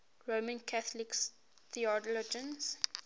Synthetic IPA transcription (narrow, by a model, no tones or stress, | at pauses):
ɹomə̃nkʰaθliks | θiɔdlɔd͡ʒə̃nz